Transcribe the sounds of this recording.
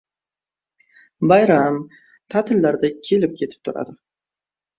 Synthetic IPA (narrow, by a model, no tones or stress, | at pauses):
bajɾam | t̪ʰat̪ʰɪlːaɾd̪akʲʰe̞lɪp̚kʲʰe̞t̪ʰɪ̥p̚t̪ʰʊɾa̰d̪ɪ